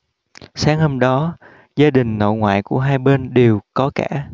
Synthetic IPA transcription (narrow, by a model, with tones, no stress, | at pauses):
saː˨˦ŋho˧mɗɔ˨˦ | zaː˧ɗï˨˩ŋ̟no̰˧˨jŋwa̰ː˧˨jku˧˩əɦaː˧jɓe˧nɗe˨˩wkɔ˨˦kaː˧˩˨